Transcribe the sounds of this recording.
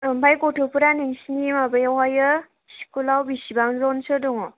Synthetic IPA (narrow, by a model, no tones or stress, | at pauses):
mbajkɔtʰɔpʰuɾaneŋsinimabajawajɯ | si̥kulawbisibaŋzɔnsɯdɔŋɔ